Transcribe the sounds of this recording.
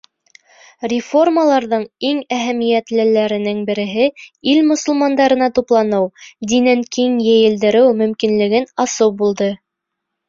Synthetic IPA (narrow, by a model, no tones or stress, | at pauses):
rʲɪfo̞rmalˠɑɾðɤɴiŋæɦæmijæt̪lɘ̆læɾɘ̆nɘŋbɘ̆ɾɘ̆ɦɘilmŏsŭlˠmɑnd̪ɑɾɤ̆nɑt̪uplˠɑnɤwd̪inæŋkiŋjɘ̆jɘ̆ld̪ɘ̆ɾɘwmɵ̆mkinlɘ̆ɡɘnɑsɤwbulˠd̪ɤ